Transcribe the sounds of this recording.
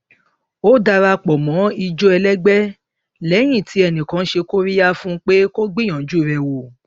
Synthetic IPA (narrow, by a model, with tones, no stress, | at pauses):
o˦da˧ɾa˧k͡pɔ˨mɔ̃˨˦i˧d͡ʒo˦ɛ˧lɛ˦ɡ͡bɛ˦ | lɛ˨˦j̃ĩ˦˨tʰi˨˦ɛ˧˨nĩ˨kã˨˦ʃe˧ko˦ɾi˦ja˦fũ˦k͡pe˦ko˦ɡ͡bĩ˦ã˨˦d͡ʒu˦˨ɾɛ˧˨wo˧˨